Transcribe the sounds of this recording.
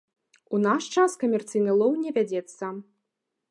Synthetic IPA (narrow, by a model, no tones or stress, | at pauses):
unaʂt͡ʂaskɐmʲɛrt̪sɨjnɨlˠɔwnʲɛvʲad͡zʲɛt̪sːɐ